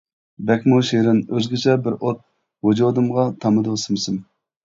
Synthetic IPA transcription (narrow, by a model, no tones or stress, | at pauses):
bɛkʲmuʃeɾɪnøzɡʲɪt͡ʃʰɛbɪɾot̪̚ | wod͡ʒod̪ɨmʁɑt̪ʰɑmɨd̪ʊsɨmsɪm